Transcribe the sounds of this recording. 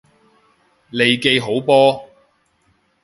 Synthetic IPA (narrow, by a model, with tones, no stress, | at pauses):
le˨jke˨˧jɦo˨˥wpɔː˥